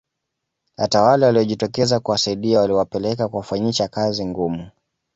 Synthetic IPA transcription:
hatawalawaliɔʄitɔkɛzakuwasaiɗiawaliwapɛlɛkakuwafaɲiʃakaziŋɡumu

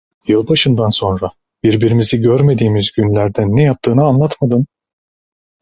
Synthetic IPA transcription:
jɯlˠbaʃɯnd̪anso̞nɾa | b̥iɾbiɾimiziɟøɾme̞d̪iːmizɟynlʲæɾd̪ænːɛjap̚t̪ʰɯːnɯanlˠat̪mad̪ɯn

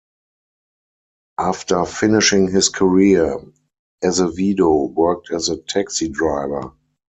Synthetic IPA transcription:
ʔaftə˞fɪnɪʃɪ̃ŋɦɪskʰəɹi | ɛzəviːdoʊwɜ˞k̚tʰɛzətʰæksidɹaɪvə˞

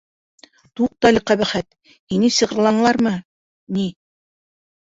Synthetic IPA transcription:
t̪uq̚t̪ɑlʲɘqæβæχæt̪ | hinɘsɤ̆ʁɤ̆ɾlˠɑɴlˠɑɾmɤ | ni

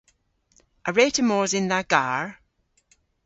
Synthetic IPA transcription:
ʔəɹetəmɔːzɪ̃nðəɡ̥aɹ

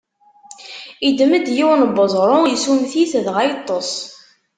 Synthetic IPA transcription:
id̪məd̪jiwnbəzˤɾˤʊjsumθiθðʁajt̪ˤːosˤ

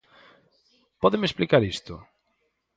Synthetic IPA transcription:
pɔðemesplikaɾist̪ʊ

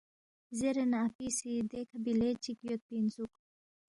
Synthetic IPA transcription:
zeɾenapisid̪ekʰɐbilet͡ʃikjot̪̚pinzuk

